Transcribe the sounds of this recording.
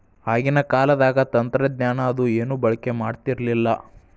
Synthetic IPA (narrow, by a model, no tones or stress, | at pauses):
aːɡinɐkaːlɐd̪aːɡɐt̪ɐnt̪ɾɐd̪ɲaːnɐːd̪ueːnubɐɭɐke̞maːɖt̪iɾlilːɐ